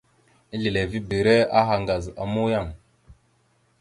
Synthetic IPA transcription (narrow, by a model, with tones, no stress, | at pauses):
i˦ɮi˨le˨vi˦bi˨ɾe˦a˦ɦa˨ŋɡa˨za̰˨mu˦ja˦˨ŋ